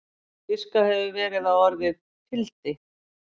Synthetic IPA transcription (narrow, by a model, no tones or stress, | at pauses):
fɪskahɛvɪvɛːɾɪðawɔɾvɪð | t̪ʰɪlt̪ɪ